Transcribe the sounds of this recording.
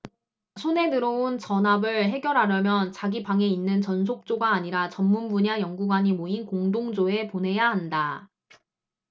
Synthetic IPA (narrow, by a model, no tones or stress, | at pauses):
sʰone̞nɯɾount͡ɕʌnabɯɭɦe̞ɡjʌɾɦaɾjʌmjʌnt͡ɕaɡipaŋe̞inːɯnt͡ɕʌns̬ʰok̚t͡ɕ͈oɡaːɲiɾat͡ɕʌmːunbuɲajʌŋɡuɡwaɲimoinkoŋdoŋd͡ʑoe̞ponɦe̞jaɦanda